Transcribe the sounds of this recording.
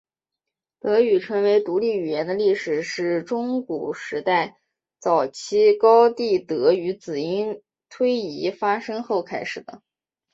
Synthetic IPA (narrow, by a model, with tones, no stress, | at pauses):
t̪ɤ˧˥y˨˩ʈ͡ʂʰɤ˧˥ŋwe˧˥ɪt̪u˧˥li˥˩y˨˩jɛ˧˥nd̪ə˧li˥˩ʂɻ̩˨˩ʂɻ̩˥˩ʈ͡ʂʊ˥ŋku˨˩ʂɻ̩˧˥t̪a˥˩ɪ | t͡sɑ˨˩ʊt͡ɕʰi˥kɑ˥ʊt̪i˥˩t̪ɤ˧˥y˧˥t͡sɹ̩˨˩i˥n | t̪ʰwe˥ɪi˧˥fa˥ʂɤ˥ŋxo˥˩ʊkʰa˥ɪʂɻ̩˨˩d̪ə˦